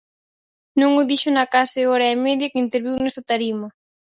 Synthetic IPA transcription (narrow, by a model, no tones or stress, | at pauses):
nũŋʊðiʃʊnakasɪoɾaemeðjakɪint̪eɾβiwnest̪at̪aɾima